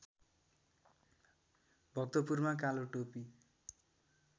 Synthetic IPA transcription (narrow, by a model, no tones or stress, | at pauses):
bʱʌk̚t̪opurmakaloʈopi